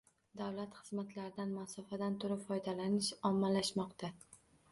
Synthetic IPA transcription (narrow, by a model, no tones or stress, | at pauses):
d̪awlat̪χɨzmat̪ʰlaɾɪd̪anmasɒfad̪ant̪ʰʊɾɪpfɒjd̪alanɪʃɒmːalaʃmɒqt̪ʰa